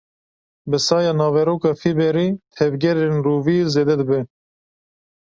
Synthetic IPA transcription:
bɨsɑːjɑːnɑːvɛɾoːkɑːfibɛɾiːt̪ʰɛvɡɛɾenruːviːzeːd̪ɛd̪ɨbɛ

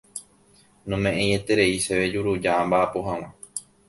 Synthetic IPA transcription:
nõmẽʔẽj̃et̪e̞ɾe̞iʃeʋe̞d͡ʒuɾud͡ʒambaʔːpoɦãw̃ã

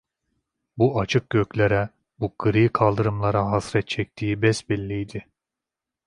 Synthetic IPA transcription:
buʔat͡ʃʰɯk̚ɡøclʲeɾɛ | bukʰɯɾɯjkʰalˠd̪ɯɾɯmlˠaɾaɦasɾɛt̪̚t͡ʃʰɛc̚t̪ʰiːbɛsbɛlʲːijd̪ɪ

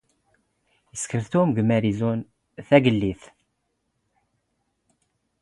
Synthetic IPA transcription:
jəskəɾθt̪umɡmæɾizun | θæɡəlːiθ

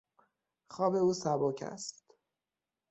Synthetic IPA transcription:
xɒːbe̞uːsæboːcʰæ̰st̪

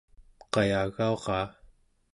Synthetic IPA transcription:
qɑjaɣaoʁɑː

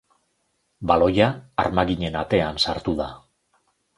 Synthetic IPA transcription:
balo̞ja̰ːɾmaɣiɲe̞nat̪e̞ansaɾt̪uða

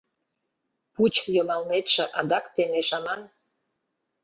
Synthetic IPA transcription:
put͡ɕjomɑlnet̪ʃĕʔɑd̪ɑkt̪emeʃɑmɑn

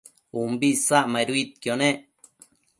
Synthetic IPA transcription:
umbisaʔmajɾwit̪̚kjoneʔ

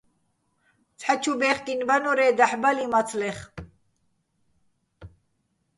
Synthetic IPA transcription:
t͡sʰħat͡ʃʰubɛχk̪ʼinvanɔɾɛːd̪aħbalimat͡sʰlɛχ

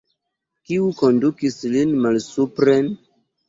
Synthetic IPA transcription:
kiuko̞ndukislinmalsupɾen

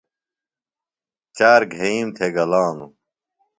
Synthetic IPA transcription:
t͡ɕaːɾɡʱeiːmt̪ʰeɡɐlãːnu

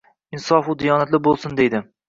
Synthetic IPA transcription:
ɪnsɒfud̪ijɒnat̪lɪbolˠsɪnd̪ejd̪ɪ

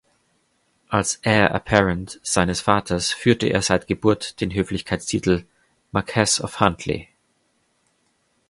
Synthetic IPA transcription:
ʔalsʔɛːɐʔə̰pʰɛʁəntz̥aɪnəsfaːtʰɐsfyːɐtəʔḛːɐzaɪtɡ̥əbʊɐtd̥eːnɦøːflɪçkʰaɪtstʰiːtʰl̩ | makʰɛsɔ̰fhantʰlḭ

